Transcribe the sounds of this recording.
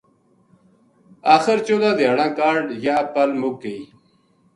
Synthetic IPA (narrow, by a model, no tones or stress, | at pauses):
aːxəɾt͡ɕoːd̪ãːd̪eaɽãːkaːɾɖjaːpɐlmukːei